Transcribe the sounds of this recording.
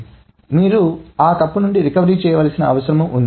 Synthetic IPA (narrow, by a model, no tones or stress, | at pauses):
miːɾuaːk̪ɐpːunuɳɖiɾikɐʋɐɾiːt͡ʃɛːjɐʋaːlɐsinɐɐʋɐsɐɾɐmuʔund̪i